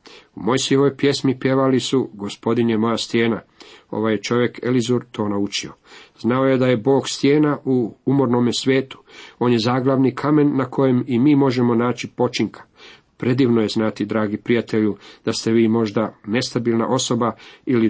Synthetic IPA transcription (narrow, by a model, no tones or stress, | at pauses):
umo̞jsioʋo̞jpje̞smipje̞ʋalisuɡo̞spo̞d̪injemo̞jast̪jeːnao̞̰ʋajet͡ʃo̞ʋje̞kʰe̞lizuɾt̪ʰo̞ːnaut͡ʃio̞znao̞je̞d̪aje̞bo̞ːɡst̪je̞ːnaʔuumo̞ɾno̞mesʋʲjeːt̪u̥o̞ːnje̞zaːɡlˠaʋnikʰame̞nːakʰo̞je̞mimiːmo̞ʒemo̞naːt͡ɕipo̞t͡ʃiŋkʰḁ | pɾe̞d̪iːʋnojeznat̪id̪ɾaːɡipɾijat̪e̞ʎud̪̥ast̪e̞ʋiːmo̞ʒd̪ane̞st̪abiːlˠna̰ʔo̞so̞baili